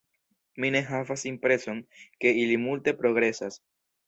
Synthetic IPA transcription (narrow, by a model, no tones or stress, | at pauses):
mine̞ɦavasimpɾe̞so̞nke̞ilimulte̞pɾo̞ɡɾe̞sas